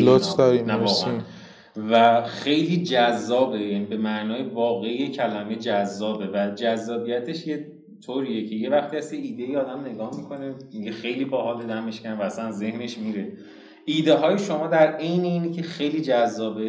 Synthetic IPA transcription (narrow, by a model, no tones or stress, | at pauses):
lot͡ʃd̪ɒɾimnævɒːɣḛæ̰n | væxe̞jliːd͡ʒæzːɒːbe̞jæːniːbe̞mæʔnɒːjevɒːɣe̞ijecʰælæmejed͡ʒæzːɒːbe̞væd͡ʒæzːɒːbijæt̪ʰe̞ʃje | t̪ʰoɾiːjecʰe̞jevæxt̪iːæsjeiːd̪ejiɒːd̪æmne̞ɡɒːhmikʰo̞ne̞miɟexe̞jliːbɒɦɒːled̪æmeʃkænvææsænze̞hne̞ʃmiːɾe̞ | ʔiːd̪eɦɒːjeʃomɒːd̪æɾe̞jneiːnicʰe̞xejliːd͡ʒæzːɒːbe